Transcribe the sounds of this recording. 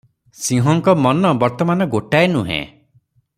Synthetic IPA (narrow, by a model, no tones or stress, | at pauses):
sĩɦɔŋkɔmɔnɔbɔɾt̪ɔmanɔɡoʈaenuɦḛ̃